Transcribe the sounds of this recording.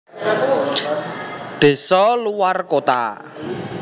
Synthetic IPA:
ɖ̪̥e̤sɔluwarkot̪a̰

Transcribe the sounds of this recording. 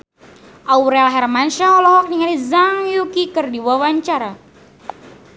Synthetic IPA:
ʔauɾealɦɛrmanʃaɔlɔɦɔk̚niŋalizaŋjukikɨrdiwawaɲt͡ʃaɾa

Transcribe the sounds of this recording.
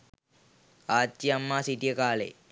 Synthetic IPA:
aːt̪ːiɐmːaːsiʈijɐkaːlḛ

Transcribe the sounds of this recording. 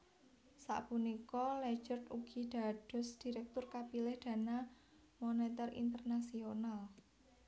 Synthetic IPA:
sa̰ʔpunikɔlɛ̥d͡ʒərt̪uɡ̥id̪̥a̤ɖ̥ɔ̤sd̪̥i̤ɾɛk̚t̪ʊrkapilɪhd̪̥ä̤na | monet̪ɛrḭnt̪ərnasional

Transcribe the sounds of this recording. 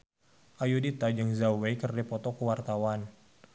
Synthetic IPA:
ʔajudit̪ad͡ʒəŋzawekərdipɔt̪ɔkəwart̪awan

